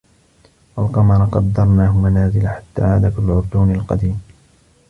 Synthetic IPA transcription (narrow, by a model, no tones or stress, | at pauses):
walqɑmɑɾˤɑqɑd̪ːɑɾˤnaːhʊmanaːzɪlaħat̪ːa̰ːʕaːd̪aflʕʊɾd̪uːnalqɑd̪iːm